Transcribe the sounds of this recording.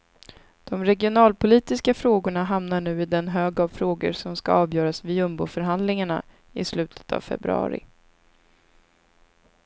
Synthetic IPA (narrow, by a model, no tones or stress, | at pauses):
d̪̥ɔmɾɛɡɪʊnɑːlpʰʊliːt̪ɪskafɾoːɡʊɳaɦamn̪aɳʉ̟ːɪd̪ɛnɦøːɡavfɾoːɡə̰ɾsɔmska̰ɑːvjœːɾasvɪɵmbʊ̰ːfœɾɦand̪lɪŋaɳa̰ | ɪ̰slʉ̟ːt̪ʰə̥t̪ʰa̰vfɛ̰bɾɵ̰ɑ̰ːɾɪ̰